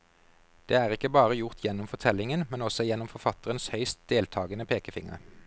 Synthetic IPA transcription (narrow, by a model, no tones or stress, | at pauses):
d̪̥eːæːʁɪkːəbɑːʁəjʊʁt̪ʰjɛnʊmfɔʁt̪ʰɛlɪŋənmɛnɔsɔjɛnːɔmfɔʁfɑt̪əʁənshœʏst̪̚d̪̥eːlt̪ʰɑːɡənəpʰeːkəfɪŋə̰ʁ